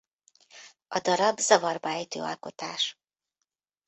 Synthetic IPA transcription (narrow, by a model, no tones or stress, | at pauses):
ʔɒd̪ɒɾɒbzɒvɒrbɒɛjt̪ø̰ːɒ̰lko̞t̪aːʃ